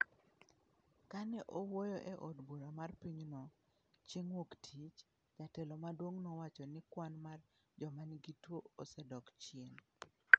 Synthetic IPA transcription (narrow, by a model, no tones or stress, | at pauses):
kanɛʔowojɔʔɛʔodbuɾamarpiɲnɔ | t͡ʃeŋwoktʰit͡ʃ | d͡ʒatɛlɔmadwoŋnowat͡ʃɔnɪkwanmar | d͡ʒɔmanɡitwoosɛdɔkt͡ʃɪen